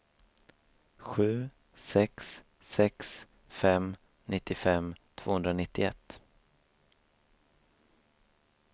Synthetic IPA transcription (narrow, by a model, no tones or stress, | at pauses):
ɧʉ̟ː | sɛks | sɛks | fɛm | nʔɪt̪ːɪfɛmt̪ʰv̥oːhɵnd̪ɾanɪt̪ːɪɛt̪ː